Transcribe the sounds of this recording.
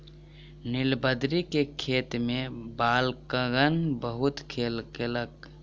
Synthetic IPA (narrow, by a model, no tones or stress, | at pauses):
nɪlbəd̪ɾikekʰeːt̪mẽbaːlkəɡənbəɦʊt̪kʰeːlkelək